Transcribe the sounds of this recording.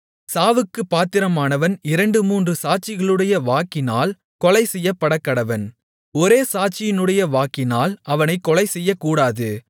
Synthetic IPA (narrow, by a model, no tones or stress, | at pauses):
saːʋɯkːɯpːaːt̪ɪɾɐmaːnɐʋɐnɪɾɐɳɖɯmuːndrɯsaːʈ̚t͡ʃɪɣɐɭɯɽɐjɐʋaːkɪnaːl | kɔlɐɪsɛjːɐpːɐɽɐkːɐɽɐʋɐn | ɔɾeːsaːt͡ʃɪjɪnɯɽɐjɐʋaːkɪnaːlɐʋɐnɐɪkːɔlɐɪsɛjːɐkːuːɽaːðɯ